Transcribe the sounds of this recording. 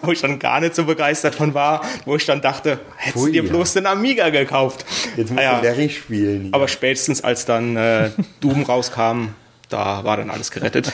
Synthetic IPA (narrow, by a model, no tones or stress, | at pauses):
voːɪçd̥anɡa̰ːɐnɪçtz̥oːbəɡaɪstɐtfɔnvaːɐvoːɪçd̥andaχtə | hɛttd̥iːɐbloːsd̥enamiːɡaɡəkʰaʊftjɛsmjaːɛʁiʃpiːlnaːbɐʃpɛːtə̥sn̩sʔa̰lsd̥anɛːd̥uːbəm̩ʁaʊskʰaːmən | d̥a̰ːvaːɐɾanʔa̰ləsɡ̥əʁɛtət